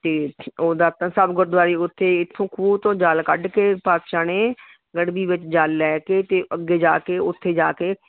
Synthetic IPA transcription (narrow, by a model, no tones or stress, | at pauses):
t̪eːoːd̪aːt̪ãːsəbɡʊɾd̪ʋaːɾiːʊt̪ʰːeːɪt̪ʰːõːkʰuːt̪õːd͡ʒaːlkəɖkeːpaːd̪ʃaːneː | ɡəɽbiːʋɪt͡ʃd͡ʒaːlːɛːkeːt̪eːʔəɡːeːd͡ʒaːkeːʊt̪ʰːeːd͡ʒa̰ːkeː